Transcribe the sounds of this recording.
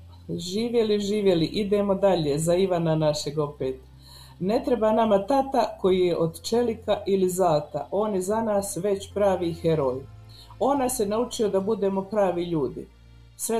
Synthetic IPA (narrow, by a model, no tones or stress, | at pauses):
ʒiːʋjeliʒiːʋje̞liʔid̪e̞mo̞d̪aʎe̞zaiʋananaʃe̞ɡo̞peːt̪ | ne̞t̪ɾe̞banamat̪at̪ako̞jijeʔo̞d̪t͡ʃe̞likaʔilizaːt̪a̰ʔo̞ːnjezanaːsʋe̞t͡ɕpɾaːʋixeɾo̞ːj | o̞nasenaut͡ʃio̞d̪abud̪e̞ːmo̞pɾaːʋiʎuːd̪ḭ | sʋe